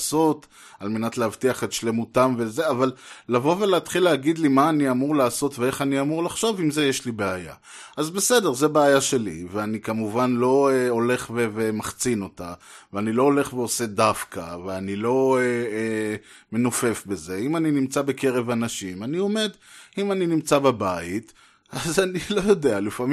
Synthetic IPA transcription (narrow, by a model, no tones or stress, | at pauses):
so̞t | alme̞natleavtiaχetʃle̞mutamveze̞avallavo̞veleatχilːeːɡid̪limaːniamuʁlaːso̞tvee̞χaniamuʁlaχʃo̞vimze̞jeʃlibeaja̰ | azbe̞se̞de̞ʁze̞beajaʃe̞lḭveanikamuvanlo̞eole̞χvevemaχt͡sino̞ta̰veaniloole̞χveo̞se̞dafka̰veanilo̞e | me̞nofe̞fbe̞ze̞imaninimt͡sabe̞ke̞ʁe̞vanaʃimanio̞me̞d̪imaninimt͡sabebait | azanilo̞jo̞de̞alifami